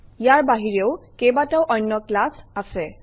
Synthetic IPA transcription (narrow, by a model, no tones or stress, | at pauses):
ijaɹbaɦiɹeʊkejbataʊʔɔjnːɔklasasɛ